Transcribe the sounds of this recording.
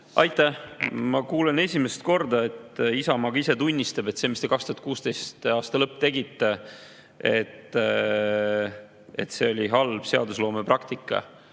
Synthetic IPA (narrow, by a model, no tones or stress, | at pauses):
ʔɑjt̪ːˑæmɑkuːlene̞sʲimest̪̚ko̞rd̪ɑe̞t̪ːˑisɑmɑɡ̥ise̞t̪unʲːist̪ɑb̥e̞t̪seːmist̪e̞kɑkst̪uhɑt̪kuːst̪ejst̪ɑːst̪ɑlɤpːˑt̪e̞ɡit̪ːe | et̪ː | e̞t̪se̞o̞lʲiɦɑlb̥se̞ɑd̪uslo̞ːmeprɑkt̪ikːˑɑ̰